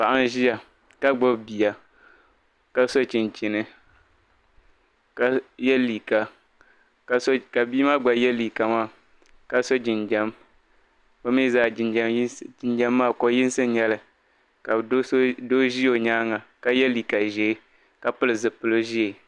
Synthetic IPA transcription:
pa˨ʔa˦n˦ʒi˦a˨ | ka˦ɡ͡bo˦bbi˨ja˨ | ka˦so˦t͡ʃɪ˨nt͡ʃi˨nɨ˦ | ka˦jɛ˦liː˨ka˨ | ka˨so˦ka˨bi˦ma˦ɡ͡ba˨˦jɛ˦li˨ka˨maː˦˨ | ka˦so˦d͡ʒɪ˨nd͡ʒɛ˦m | bɨ˦mi˦zaː˨d͡ʒɪ˨n˦d͡ʒɪ˨nd͡ʒa˦mːaː˦˨ko˦jɪ˦n˦sɨ˦ɲɛ˦lɨ˨ | ka˨˦do˦ʒi˦o˨ɲaː˦ŋa˨ka˦jɛ˦li˨ka˨ʒɛ˨˦ | ka˨pɨ˦lɨ˨zɨ˨pɨ˨lo˦ʒi˦e˨

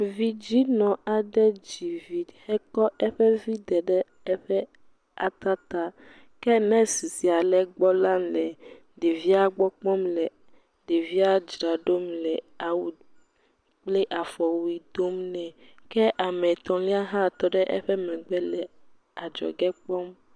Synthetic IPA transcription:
vi˦d͡ʑi˦nɔ̃˨a˨ɖɛ˦d͡ʑi˨vi˨hɛ˦kɔ˦ɛ˦ɸɛ˦vi˦d̪ɛ˨ɖɛ˦ | ɛ˦ɸɛ˦ | a˨t̪a˦t̪a˦ | kɛ˦nɛ̃˦si˨si˨a˨lɛ˦ɡ͡bɔ˦la˦mlɛ˨ | ɖe˨vi˦a˦ɡ͡bɔ˦k͡pɔ̃˦mlɛ˨ | ɖe˨vi˦a˦d͡ʒɾa˨ɖo˦mlɛ˨ | a˨wu˨ | k͡ple˦ʔa˨fɔ˨wi˨d̪o˦mnɛ̃˨kɛ˦ʔa˨mɛ˨t̪ɔ̃˨li˦a˦ɦã˦˨t̪ɔ˦ɖɛ˦ʔɛ˦ɸɛ˦mɛ̃˨ɡ͡bɛ˦lɛ˨ | a˨d͡ʒɔ̰˨ɡɛ˦k͡pɔ˦m

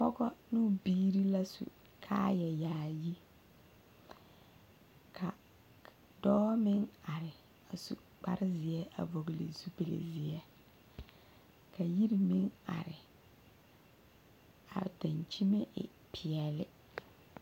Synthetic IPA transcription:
pɔ˦ɡɔ˦nu˦biː˦ɾi˦la˦sṵ˨ | kʰa̰ː˦jɛ˨jaː˨ji˦ | kʰa˨ | dɔː˦mɪ˦ŋa˨ɾɪ˨ | a˨su˨ | k͡pa̰˦ɾɪ˦zɪ˨ɛ˦ʔa̰˨vo˨ɡlɪ̰˨zu˦be˨lḛ˨zɪ˨ɛ˦ | ka˨ji˦ɾi˨mɪ˦ŋa̰˨ɾɪ˨ | a̰˨da˨ɲt͡ʃi˦me˦ʔɪ̰˨ | pʰɪ˨ɛ˨lɪ˦

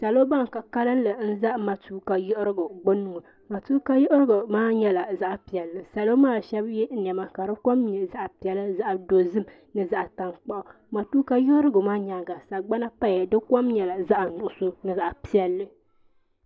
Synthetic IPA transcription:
sa˨lo˦ba˦ŋ˨ka˨ka˦lɨ˦n˦lɨ˨n̩˦za˦ʔma˨tuː˦ka˨jɪ˦ʔɾɨ˦ɡʊ˨ɡ͡bʊ˦nu˦ŋɨ˨ | ma˨tuː˦ka˦jɪ˦ʔɾɨ˦ɡʊ˨maː˦ɲɛ˦la˨za˦ʔpi˨ɛ˨lːɨ˦sa˨lo˦maː˦˨ʃɛ˦bjɛ˦n̩˦n˨ɛ˨ma˦ka˨ɾɨ˦ko˦mɲɛ˨za˦ʔpi˨ɛ˨lɨ˦za˦ʔa˨do˨zɨ˦m | nɨ˨za˦ʔta˨ŋk͡pa˦ʔʊ˨ | ma˨tuː˦ka˦jɪ˦ʔɨ˦ɾɨ˦ɡʊ˨maː˦ɲa˨ɡa˨sa˨ɡ͡ba˦na˦pa˦jdɨ˦ko˦mɲɛ˨la˨za˦ʔa˨nʊ˨ʔʊ˨so˦nɨ˨za˨ʔpi˦ɛ˨lːɨ˦

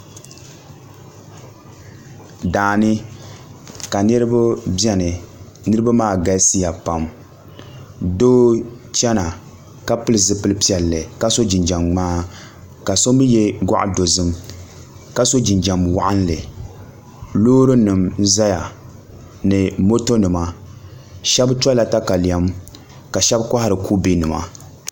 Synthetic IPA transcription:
daː˨nɨ˦ | ka˨nɨ˦ɾɨ˦bʊ˦bɛ˦nɨ˨ | nɨ˦ɾɨ˦ba˦maː˦˨ɡa˦si˦ja˨pa˨m | doː˦ | t͡ʃɛ˦na˨ | ka˦pɨ˦lɨ˨zɨ˦pɨ˦lɨ˦pi˦ɛ˨lːɨ˨ka˦so˦d͡ʒɪ˨nd͡ʒa˨mŋ͡maː˦ | ka˨so˦bɨ˦jɛ˦ɡa̰˦ʔa̰˨do˨zɨ˦m | ka˦so˦d͡ʒɪ˨nd͡ʒa˨mwa̰˦ʔa˦n˦lɨ˨ | loː˦ɾɨ˦nɨ˨m˦za˦ja˨ | nɨ˨mo˦to˦nɨ˨ma˨ | ʃɛ˦bta˦la˨ta˦ka˨la˦m | ka˨ʃɛ˦bka˦ha˦ɾɨ˨kʰu˦bi˦nɨ˨ma̰˨

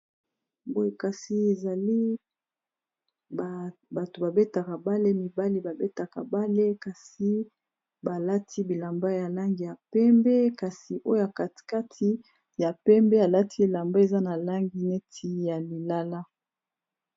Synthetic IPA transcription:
bo˦e˨ka˨si˨e˨za˨li˦ | ba˨to˨ba˨be˦ta˨ka˨ba˦le˦mi˨ba˦li˦ba˨be˦ta˨ka̰˨ba˦le˦ka˨si˨˦ | ba˨la˦tʰi˦bi˨la˨mba˦ja˨la˦ŋɡi˨ja˨pɛ˦mbɛ˦ka˨si˨ʔo˦o˦ja˨ka˨tka˦tʰi˦ | ja˨pɛ˦mbɛ˦a˨la˦tʰi˦˨la˨mba˦e˨za˦na˨la˦ŋɡi˦ne˦tʰi˦ja˨li˨la˦la˦

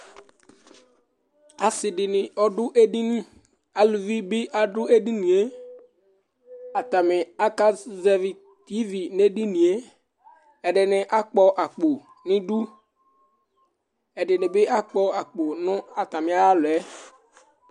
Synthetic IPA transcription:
a˨sɪ˨ɖɪ˨nɪ˨ɔ˦ɖʊ˦ʔe˦ɖi˦nĩ˦ | a˨lu˨vi˦bɪ˦ʔa˨ɖʊ˦e˦ɖi˦nĩ˨e˦ | a˨t̪a˨mɪ˨a˦ka˦zɛ˦vi˨ | t̪i˦vi˨ne˦ɖi˦nĩ˨e˦ | ɛ˨ɖɪ˨nɪ̃˨ʔa˦k͡pɔ˦ʔa˨k͡po˨ | nɪ̃˦ɖu˦ | ɛ˨ɖɪ˨nɪ̃˨bɪ˦ʔa˦k͡pɔ˦a˨k͡po˨nʊ̃˦a˨t̪a˨mɪ̃˨a˦a˦lʊ˨ɛ˦

